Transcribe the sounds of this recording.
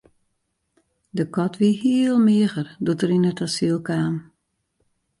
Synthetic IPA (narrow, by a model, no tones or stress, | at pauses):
dəkɔtʰʋihiəlˠmɪəɣərdutəɾinətʰasilˠkaːm